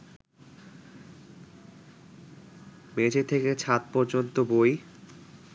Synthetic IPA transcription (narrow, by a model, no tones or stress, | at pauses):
med͡ʑet̪ʰeket͡ɕʰat̪̚pɔɾd͡ʑont̪oboj